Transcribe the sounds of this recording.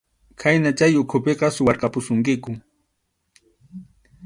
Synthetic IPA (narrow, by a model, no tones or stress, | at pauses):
kʰajnat͡ʃajʊkʰʊpeqɑsʊwɑɾqɑpʊsʊŋkɪkʊ